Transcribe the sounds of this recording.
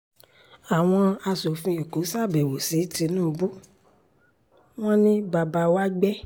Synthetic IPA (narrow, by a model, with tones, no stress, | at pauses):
a˨w̃ɔ̃˧a˧so˨fĩ˧i˨ko˨˦sa˦˨bɛ˨wo˨si˨˦ti˧˦nũː˦˨bu˦ | w̃ɔ̃˦nĩ˦ba˧˨ba˧wa˦ɡ͡bɛ˦